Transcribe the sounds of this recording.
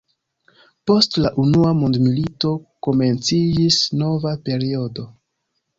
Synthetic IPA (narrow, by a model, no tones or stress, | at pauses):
po̞stlaʔunuamondmilito̞ko̞me̞nt͡sid͡ʒisno̞vape̞ɾio̞do̞